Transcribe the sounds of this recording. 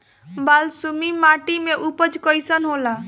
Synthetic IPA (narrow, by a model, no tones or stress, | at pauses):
balsumimaʈimeʔupəd͡ʒkəjsənɦola